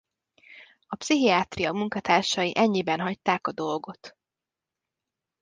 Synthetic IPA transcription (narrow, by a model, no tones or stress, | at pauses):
ɒpsiɦiaːt̪rijɒmuŋkɒt̪aːrʃɒjiʔɛɲːibɛnɦɒc̚t̪aːkɒd̪o̞lɡo̞t̪